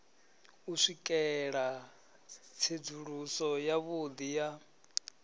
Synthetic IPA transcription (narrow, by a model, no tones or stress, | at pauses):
uʂikʼɛɺa | t͡sʰed͡zuɺusɔjaβod̪ija